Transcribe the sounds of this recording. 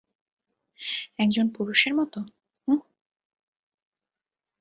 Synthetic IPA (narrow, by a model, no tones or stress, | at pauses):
ɛkd͡ʑonpuɾuʃeɾmɔt̪o